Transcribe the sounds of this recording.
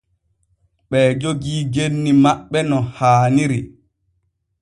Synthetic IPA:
ɓɛːd͡ʒoɡiːɡenːimaɓːɛnɔhaːniɾi

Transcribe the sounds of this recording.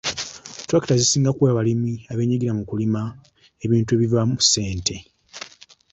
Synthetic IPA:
twaki̥tazisiːŋɡakweːβalimiaβe̞ːɲiɡiɾamukulima | eβiːntue̞βivamuse̞ːntʰe̞

